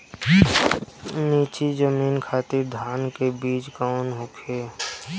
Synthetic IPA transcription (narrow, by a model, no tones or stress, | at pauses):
niːt͡ʃid͡ʒəmiːnkʰaːt̪ɪɾd̪ʱaːnkebiːt͡ʃkaʊnɦʊkʰeː